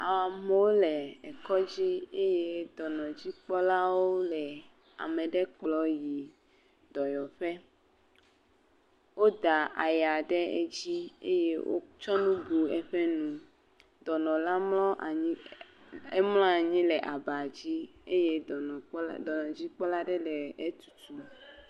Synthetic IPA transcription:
a˨wa˨me˦wo˦lɛ˨ɛ˨kɔ˦d͡ʑi˦e˦je˦d̪ɔ˨nɔ̃˨d͡ʑi˦k͡pɔ˦la˦wo˦lɛ˨ | a̰˨me˨ɖɛ˦k͡plɔ˨˦ji˨ | d̪̥ɔ˨jɔ˨ɸɛ˦ | wo˦d̪a˨ʔa̰˨ja˨ɖɛ˦ḛ˦d͡ʑi˦ḛ˦je˦wo̰˦t͡ʃɔ˦nũ˦bu˨ɛ˨ɸɛ˦nũ˦ | d̪ɔ˨nɔ̃˨la˦mlɔ̃˦ʔa˨ɲĩ˦ | e˦mlɔ̃˦a˨ɲĩ˦lɛ˨ʔa˨ba˨d͡ʑi˦e˦je˦˨˦d̪ɔ˨nɔ̃˨d͡ʑi˦k͡pɔ˦la˦ɖɛ˦lɛ˨e˦t̪u̥˨t̪u˨

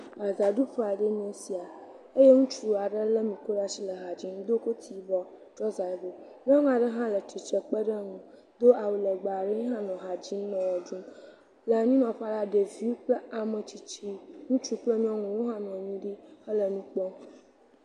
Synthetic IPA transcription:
a˨za˨ɖu˦ɸe˦a˨ɖe˦ɲĩ˦ẽ˨si˨a˨ | e˦je˦ŋũ˦t͡ʃu˨u˨a˨ɖə˦lə˦mĩ˨ko˦ɖa˦si˦lə˨ɦa˨d͡ʑi˦ŋ̃˦d̪o˦ko˦t̪ʰi˨bɔ˦ | d͡ʒɔ˦za˨bo˨mĩ˦ã˦ŋũ˦a˨ɖə˦ɦã˦lə˨t̪i˨t͡ʃə˨k͡pə˦ɖə˦ŋũ˨ | d̪o˦ʔa˨wu˨lə˨ɡ͡ba˨ɖə˦ɲĩ˦ɦã˦nɔ̃˨ɦa˨d͡ʑi˦nɔ̃˨wɔ˨d͡ʒũ˦m | lə˨ɲĩ˦nɔ̃˨ɸa˦ɖa˦ɖe˨vi˦wk͡plə˦a˨mə̃˨t͡ɕi˨t͡ʃi˦ŋũ˦t͡ʃu˦k͡plə˦mĩ˦ɔ˦ŋũ˨wo˦ɦã˦nɔ̃˨ɲĩ˦ɖi˦ə˦lə˨nũ˦k͡pɔ˦

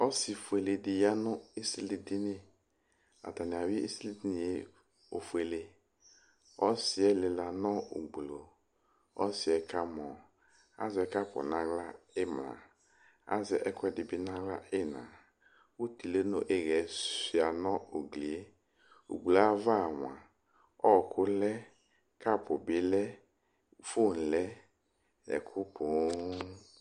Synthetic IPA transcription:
ɔ˦si˨fu˨e˨le˨dɪ˨ja˦nʊ˦i˦si˦li˨dɪ˦nɪ˦ | a̰˨ta˨nɪ˨a˨wi˦i˦si˦li˦di˦nɪ˨e˦ | o̰˨fu˨e˨le˨ | ɔ˦sɪ˨ɛ˦lɪ˨la˨nɔ˦ṵ˨ɡ͡blo˨ | ɔ̰˦sɪ˨ɛ˨ka˦mɔ˨ | a̰˦zɛ˨˦ka˦pʊ̰˨nã˨˦ɡla˦ɪ˦mla̰˨ | a̰˦zɛ˨ʔɛ˦kʷɛ˦dɪ˨bɪ˨nã˦ɡla˦ɪ˦˨nã˨ | wu˦ti˨le˦no˨ʔe˦ɣɛ˨˦ssi˨a˨nɔ˦o˨ɡli˨e˦ | ṵ˨ɡ͡blo˨a˦va˦˨wa˨ | ɔ˦˨kʰʊ˦lɛ˦ | ka˦˨pʊ˨bɪ˨lɛ˦ | fo˦˨n̩˨lɛ˦ | ɛ̰˨kʰʊ˦pʰʊ˨˦

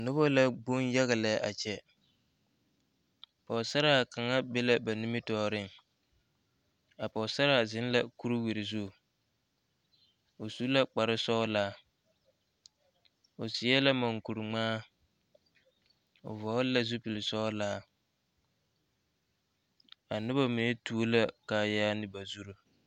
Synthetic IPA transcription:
nʊ˦bɔ˦la˦ɡ͡bʊ˦nja˦ɣɪ˨lɛ˨˦ʔa̰˨t͡ʃɛ˨ | pɔ˨sa˦ɾa˦˨ka˨ŋa˦be˦la˦ba˨nu˦mɪ˦tɔː˦˨ɾɪ˦˨ŋ | a˨pɔ˨sa˦ɾa˨zɪ˨˦n˦la˦ku˦ɾu˦wi˨ɾɪ˨zu˦˨ | o˨su˦la˦k͡pa˨ɾɪ˦sɔː˦laː˦ | o˨sɪ˨˦ɛ˦la˦ma˨ŋku˨ɾu˨ŋ͡maː˦ | o̰˨vɔ˨˦la˦zu˦pi˨lɪ˨sɔ˦laː˦ | a˨nʊ˦ba˦mi˨ne˦tu˦o˦la˦ka˨jaː˦nɪ˦ba˨zu˦ɾo˦

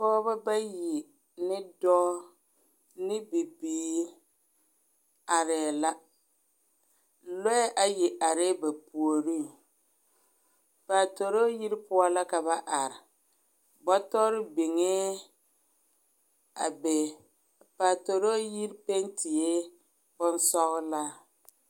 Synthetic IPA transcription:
pɔː˦ba˦ba˦ji˨ | nɪ˦dɔː˦ | nɪ˦bi˨biː˨˦ | a˨ɾɪ˨la˦ | lɔ˦ʔa˦˨jɪ˨ʔa˨ɾɪ˦ba˨pu˨o˨ɾi˦ŋ | paː˨to˨ɾo˦ji˦ɾpʊ˦a˦la˦ka˨ba˦ʔa˨ɾɪ˨ | bɔ˦tɔ˦ɾɪ˦bɪ˨ŋe˦ | a̰˨bɛ˨ | paː˨to˨ɾo˦ji˦ɾpɛ˦ntʰɪ˨e˦ | b̥ʊ˦n˦sɔ˦ɣʊ˦la˦

